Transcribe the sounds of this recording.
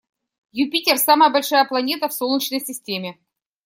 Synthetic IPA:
jʊpʲitʲersaməjəbɐlʲʂajəplˠɐnʲe̞t̪əfsolˠnʲit͡ɕnəjsʲɪsʲtʲemʲɪ

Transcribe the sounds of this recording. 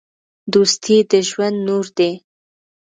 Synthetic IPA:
d̪ust̪ʰid̪əʒwand̪nuɾd̪e

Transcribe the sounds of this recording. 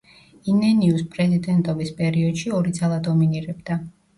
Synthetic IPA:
inɛniuspʼɾɛzid̪ɛnt̪ʼɔbispʼɛɾiɔd̪ʃiɔɾid̪zalˠad̪ɔminiɾɛbd̪a

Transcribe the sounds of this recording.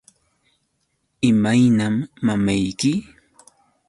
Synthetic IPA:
ɪmajnamːamajkɪ

